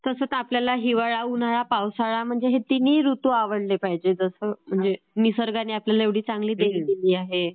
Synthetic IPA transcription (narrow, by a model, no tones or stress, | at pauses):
t̪əsəːt̪apljalaɦiʋaɭaunaɭapawsaɭam̤əɳd͡zeɦet̪iniːɾut̪uaʋəɽlepaɦid͡ʑed͡zəsəm̤əɳd͡ze | nisəɾɡaniːapljalaeʋɽ̤iːt͡saŋɡliːd̪eɦik̪iliːaɦe